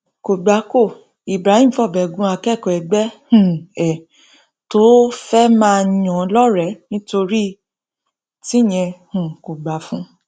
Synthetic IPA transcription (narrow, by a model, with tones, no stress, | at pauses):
ko˨ɡ͡ba˨˦ko˦˨ | i˨bɾa˨˦hĩ˦m̩˨fɔ˦˨bɛ˨ɡũ˦a˧kɛ˦˨kɔ˨ɛ˨ɡ͡bɛ˦hũ˨ɛ˨ | to˦fɛ˦mãː˦˧j̃ɔ̃˨˧lɔ˦ɾɛ˨˦nĩ˦to˧ɾi˦ | ti˦˨j̃ɛ̃˧hũ˨ko˨ɡ͡ba˨˦fũ˦